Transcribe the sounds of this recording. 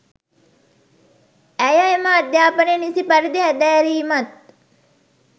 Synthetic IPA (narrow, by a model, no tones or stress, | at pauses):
æjɐemaːd̪jaːpɐnenisipɐɾid̪eɦæd̪ɛːɾiːmɐt̪̚